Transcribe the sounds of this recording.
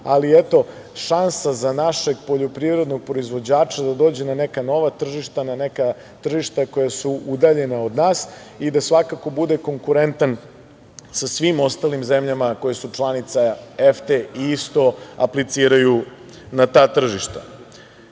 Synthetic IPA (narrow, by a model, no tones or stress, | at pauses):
aliet̪o̞ | ʃansazanaʃeɡpo̞ʎo̞pɾiʋɾe̞d̪no̞ɡ̚pɾo̞izʋo̞d͡ʑaːt͡ʃad̪ad̪o̞ːd͡ʑenanekano̞ʋat̪r̩ʒiʃt̪ananeka | t̪r̩ʒiʃt̪ako̞jasuʔud̪aʎe̞nao̞d̪naːs | id̪asʋakako̞bud̪eko̞ŋkuɾe̞nt̪an | sasʋimo̞st̪alimzemʎamako̞jesut͡ʃlˠanit̪saeft̪eiist̪o̞a̰plit̪siːɾaju | nat̪aːt̪r̩ʒiʃt̪a